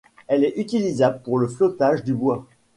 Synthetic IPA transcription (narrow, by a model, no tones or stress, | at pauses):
ɛlɛʔyt̪ilizabləpuʁləflɔt̪aʒd̪ybwa